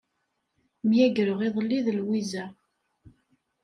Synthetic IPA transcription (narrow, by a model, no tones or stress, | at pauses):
mjæɡɾəʁiðˤlːiðlwizæ